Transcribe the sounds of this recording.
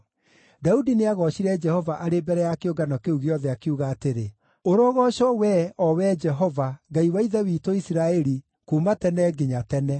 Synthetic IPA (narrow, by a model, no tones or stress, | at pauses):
daudineaɣɔɕiɾɛd͡ʒɛhɔvaʔaɾebɛɾɛjakeoɡanɔkeuɣeɔðɛakeuɣaːteɾe | oɾoɣɔɕɔwɛɔwɛd͡ʒɛɦɔvaɡaiwaiðɛwiːtoisiɾaɛɾi | kuːmatɛnɛɡeɲatɛnɛ